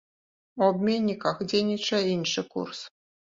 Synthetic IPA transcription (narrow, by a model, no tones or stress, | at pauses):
ɔbmʲenʲːikɑxdʲenʲit͡ɕɐinʂɨkṵrs